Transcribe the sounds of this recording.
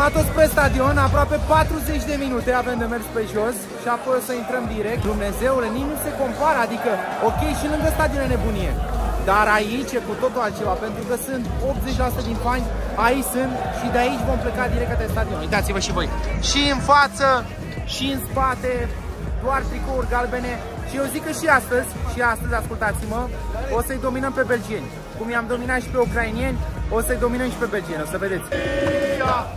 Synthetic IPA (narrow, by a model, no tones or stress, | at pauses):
at̪ot̪pe̞st̪ad̪io̞napɾoape̞pat̪ɾuze̞t͡ʃʲd̪e̞minut̪e̞ave̞md̪e̞me̞rspe̞ʒo̞s | ʃiapo̞jo̞səint̪ɾəmd̪iɾe̞k̚t̪d̪umne̞ze̞uleninuse̞ko̞mpaɾəad̪ikəo̞kʲe̞jʃilɨŋɡəst̪ad̪iolene̞bunije̞̰d̪aɾait͡ʃekut̪o̞t̪uat͡ʃe̞lape̞nt̪ɾukəsɨnt̪o̞p̚t̪ze̞t͡ʃʲleasut̪ed̪inpanʲait͡ʃʲsɨnt̪ʃid̪eait͡ʃʲvo̞mplekad̪iɾe̞k̚t̪at̪est̪ad̪ioit̪at̪sivəʃivo̞jʃiɨnfat̪sə | ʃiɨnspat̪e̞d̪oart̪ɾikourɡalbe̞ne̞ | ʃiewzikːəʃiast̪əzʲʃiast̪əzʲaskult̪at̪simə | o̞səɨjd̪o̞minəmpe̞be̞ld͡ʒie̞nʲ | kumjamd̪o̞minat̪ʃi̥pe̞ukɾainije̞nʲo̞səɨjd̪o̞minəmʃi̥pe̞be̞ld͡ʒie̞nʲosəve̞d̪et̪sʲ | a